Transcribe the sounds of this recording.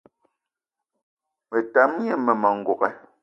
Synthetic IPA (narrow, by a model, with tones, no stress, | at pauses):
me˨ta˨˦m˦ɲe˦me˨mɔ˨ŋ̩˦˨ɡo˨ɣɛ˨